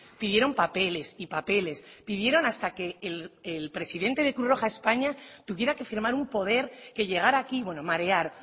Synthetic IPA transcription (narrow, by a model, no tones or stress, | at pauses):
piðje̞ɾo̞mpape̞le̞sipape̞le̞spið̞jeɾo̞nast̪ake̞ːlelpɾe̞siðe̞nt̪e̞ð̞e̞kɾuro̞xae̞spaɲat̪uβje̞ɾake̞fiɾmaɾumpo̞ð̞e̞ɾke̞ʎe̞ɣ̞aɾaːkiβwe̞nomaɾe̞aɾ